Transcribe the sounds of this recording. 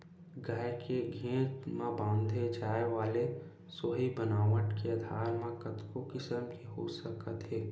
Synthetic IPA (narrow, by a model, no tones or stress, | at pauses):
ɡaːjkʰeɡʱẽːt̪mãbãːnd̪ʱed͡ʒaːeʋaːle | soːɦibənaːʋəʈkeəd̪ʱaːɾmãkət̪kokɪsəmkiɦosəkət̪ɦɛː